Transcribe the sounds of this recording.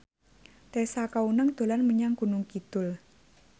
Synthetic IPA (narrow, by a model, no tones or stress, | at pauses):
t̪esakaunəŋd̪̥o̤lanməɲaŋɡ̥ṳnʊŋkit̪ʊl